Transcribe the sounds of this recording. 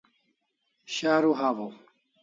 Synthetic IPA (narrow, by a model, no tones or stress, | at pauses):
ɕaːɾuɦaːvo